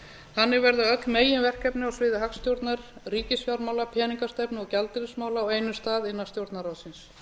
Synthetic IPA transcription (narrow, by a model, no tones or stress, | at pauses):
hanːɪɾvɛɾðaœklmeːjɪnvɛr̥kɛpnɪawsvɪːðɪɦaksːt̪jowɾt̪naɾ̥riːcɪsfjawɾmaːwlapʰjɛːniŋkast̪ɛpnɪɔɣcalt̪ɪɾɪsmaːwlaɔeːjnʏst̪aːðɪnːast̪jowɾt̪naɾawðsɪns